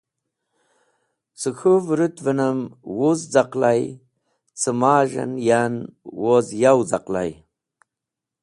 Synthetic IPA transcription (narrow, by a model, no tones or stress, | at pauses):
t͡səxʰuvɾut̪vənəmwuzd͡zaqlaj | t͡səmaːʒə̰njanwozjawzaqla̰j